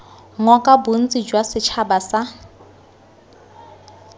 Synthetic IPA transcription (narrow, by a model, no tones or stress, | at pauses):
ŋɔkʼabun̩t͡sʼid͡ʒwasɪt͡ʃʰabasa